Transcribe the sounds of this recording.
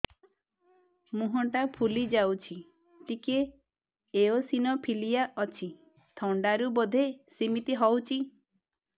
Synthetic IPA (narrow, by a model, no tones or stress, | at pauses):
muɦɔʈapʰulid͡ʒawt͡ʃʰi | t̪ike | eosinɔpʰilijaʔɔt͡ʃʰi | t̪ʰɔɳɖaɾubɔd̪ʱesimit̪iɦɔwt͡ʃʰi